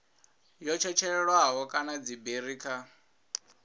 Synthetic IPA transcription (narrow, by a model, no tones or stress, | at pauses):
jɔt͡ʃʰɛt͡ʃʰɛɺwaɦɔkʼanad͡zibeɾiːkʰa